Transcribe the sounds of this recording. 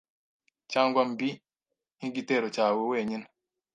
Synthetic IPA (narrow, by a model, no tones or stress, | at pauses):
t͡ʃaŋɡambi | iŋɡitɛɾɔt͡ʃaːwoweɲin